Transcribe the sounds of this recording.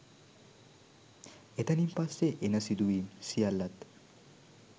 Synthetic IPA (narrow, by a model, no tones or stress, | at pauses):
et̪ɐnimpasːeʔenɐsid̪uiːmsijalːɐt̪